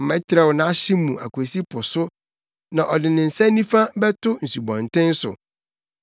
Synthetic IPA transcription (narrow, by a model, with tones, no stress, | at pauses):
mɛ̃˦tʰɾɛ˦˨wnã˦ɕɪ˦mũ˨ʔa̰˨ku˨e˨si˦pʰʊ˨sʊ˦ | nã˨ʔɔ˨dɪ˨nɪ̃˨n̩˨sɛ˦nĩ˦fã˦bɛ˦tʰʊ˦n̩˨su˨bɔ̃˨n˨tɪ̃˦n̩˦sʊ̰˨